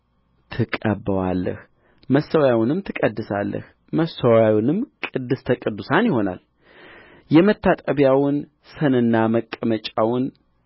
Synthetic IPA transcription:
t̪ʰɨkʼəbəwa̰lːə̰h | məsːəwjawʊnɨmt̪ʰɨkʼəd̪ːɨsalːʔə̰h | məsəwjawnɨmkʼɨd̪ːɨst̪ʰəkʼɨd̪ːusanjɪho̞na̰l | jɛmət̪ʰːat̪ʼəβjawn | sənɨnːaməkʼːəmət͡ʃʼawʊn

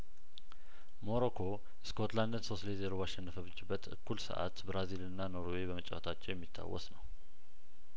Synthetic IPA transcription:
mo̞ɾokʰo̞ | skʰo̞t̪land̪ənsoslezeɾoβaʃɛnːəfəβɨt͡ʃʼːɪbːət̪ɨ̰kʰːulsə̰ʔa̰t̪bɾazilɨnːano̞ɾwe̞bəmət͡ʃʼːa̰wə̰t̪ʰat͡ʃːɛwjɛmːit̪ʰːa̰wːɔ̰snəw

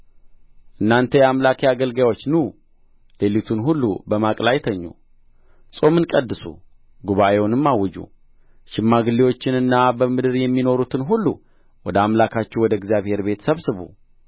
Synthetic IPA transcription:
ʔɨnːant̪ʰəjɛamlakʰjaɡəlɡawot͡ʃːnu | lelit̪ʰunɦulːṵbəmakʼlajt̪ʰəɲːṵ | sʼo̞mɨnkʼəd̪ːɨsṵ | ɡuβaʔewʊnɨmːawːɨd͡ʒṵ | ʃɪmːaɡɨlːiwo̞t͡ʃːɪnɨnːabəmɨd̪ɨɾjɛmːino̞ɾut̪ʰɨnɦulːu | wɔd̪əamlakʰat͡ʃːɛwɔd̪əɡzjaβhe̞ɾbe̞t̪ʰsəβsɨβṵ

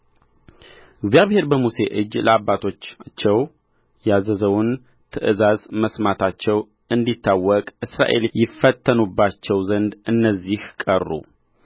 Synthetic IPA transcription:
ɪɡzjaβhe̞ɾbəmuse̞ʔɨd͡ʒːləabːat̪ʰo̞t͡ʃːt͡ʃːɛw | jazəzəwun | t̪ʰɨʔɨzazməsmat̪ʰat͡ʃːɛw | ɨnd̪it̪ʰːawːɔkʼɨsɾa̰ʔe̞̰ljɪfːət̪ʰːənubːat͡ʃːɛwzənd̪ɨnːəzːihkʼərːṵ

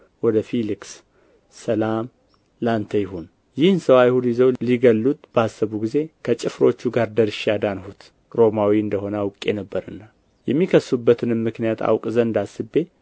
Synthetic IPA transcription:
wɔd̪əfiliksː | əlam | lant̪ʰəjɪhun | jɪhnsəwajhud̪jɪzəwliɡəlːut̪ʼb̥əasːəβuɡize̞kʰət͡ʃʼɨfɾo̞t͡ʃːuɡaɾd̪əɾɨʃad̪anhut̪ | ɾo̞mawiɨnd̪əɦo̞nəwʊkʼːe̞nəbːəɾɨnːa | jɛmːikʰəsubːət̪ʰɨnɨmːɨknijat̪ʰa̰wkʼzənd̪asɨbe̞

